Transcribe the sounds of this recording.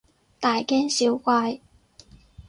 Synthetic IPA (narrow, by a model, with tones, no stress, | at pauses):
t̪aː˨˩jkɛː˥nsi˨˥wkwaː˧j